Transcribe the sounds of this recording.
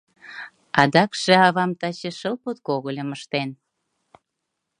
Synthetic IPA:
ɑd̪ɑkʃĕɑβɑmt̪ɑt͡ɕĕʃəlpot̪koɣəlʲə̆məʃt̪en

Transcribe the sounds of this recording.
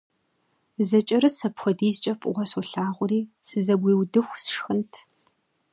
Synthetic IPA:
zɐt͡ʃʼɐɾɨsɐpxʷɔdiːzt͡ʃʼɐfʼʁʷɔsuɬaːʁʷʊɾiː | sɨzɐbʷiːwdɨxʷsʂxɨntʰ

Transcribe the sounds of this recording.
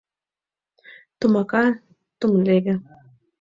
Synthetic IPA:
t̪umaka | t̪umleɡə

